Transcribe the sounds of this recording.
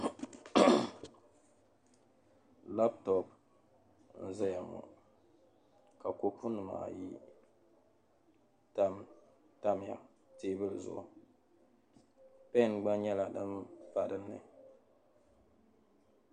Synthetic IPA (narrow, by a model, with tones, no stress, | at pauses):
la˦btɔ˨p | n̩˦zɛ˦ja˨mʊ̰˨ | ka˨ko˦pʰu˦nɨ˨ma̰ː˨ji˦ | ta˦m | ta˦m˨ja̰˨ | teː˦bɨ˦lɨ˨zʊ̰˨ʔʊ̰˨ | pɛ˦˨nɡ͡ba˦nɲɛ˦la˨dɨ˦mpa˨ɾɨ˦nːɨ̰˨